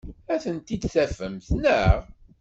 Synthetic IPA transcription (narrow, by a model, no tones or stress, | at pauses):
æθənt̪id̪θæfəmθnəʁ